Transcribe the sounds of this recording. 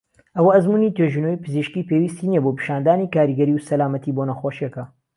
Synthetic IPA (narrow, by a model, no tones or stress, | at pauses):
ʔɐwɐɐzmuːnit̪eʒunojpɨziʃkiːpeːwist̪iniɛboːpɨ̥ʃaːnd̪aːnikaːɾiɡɐɾiwsɐlaːmɐt̪ʰiːboːnɐxoːʃekɐ